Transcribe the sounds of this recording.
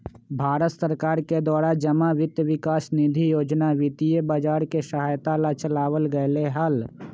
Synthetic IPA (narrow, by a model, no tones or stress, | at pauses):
bʱaːɾət̪səɾkaːɾked̪aːɾad͡ʒəmaʋɪt̪jəʋɪkaːsnid̪ʱijoːd͡ʒnaʋɪt̪ijəbaːd͡ʒaːɾkesəɦaːjt̪alat͡ʃəlaːwəlɡəjleɦal